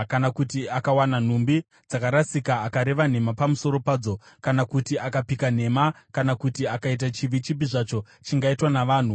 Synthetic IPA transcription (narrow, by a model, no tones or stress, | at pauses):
kanakutiakawanan̤umbi | d͡zakaɾasikaːkaɾe̞ʋan̤e̞mapamuso̞ɾo̞paːd͡zo̞ | kanakutiakapikan̤e̞makanakutiakait̬at͡ʃiʋit͡ʃip̬iʐat͡ʃo̞ | t͡ʃiŋɡaitwanaʋaːn̤u